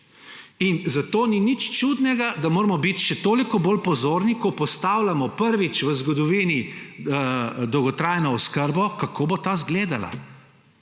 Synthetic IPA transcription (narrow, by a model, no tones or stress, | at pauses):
inzat̪oːninit͡ʃt͡ʃud̪nɛɡad̪amoːɾmɔbit̪ʃɛt̪oːlikɔbolpɔzoːɾnikɔpɔst̪awlamɔpəɾʋit͡ʃʋəzɡɔd̪ɔʋiːni | d̪ɔwɡɔt̪ɾajnɔɔskəɾbɔkakoːbot̪aːzɡleːd̪ala̰